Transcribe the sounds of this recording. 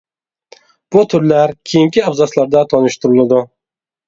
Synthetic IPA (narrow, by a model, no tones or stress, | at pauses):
b̥ʊt̪ʰʊɾlaɾkʲʰejɪŋkʲʰɪabzɑslˠaɾd̪at̪ʰɒnɨʃt̪ʰʊɾʊlˠad̪ʊ